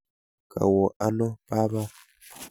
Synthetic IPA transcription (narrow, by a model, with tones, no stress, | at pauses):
ka̰˨wo˨ʔa˦nõ˦pa˦βa˦